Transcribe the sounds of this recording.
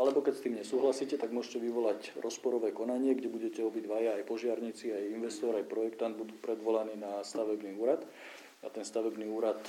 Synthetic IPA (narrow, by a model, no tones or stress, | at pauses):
ʔalɛbɔkɛcst̪iːmɲɛsuːɦlasiːcɛt̪aɡmʊɔʒcɛʋiʋɔlacɾɔspɔɾɔʋɛːkɔnaɲɪɛɡɟɛbuɟɛcɛɔbiɟʋajaːjpɔʒɪaɾɲit͡siajinʋɛst̪ɔɾajpɾɔjɛkt̪and̪̚bud̪uːpɾɛd̪ʋɔlaniːnast̪aʋɛbniːuːɾat̪ | a̰t̪ɛnst̪aʋɛbniːuːɾat̪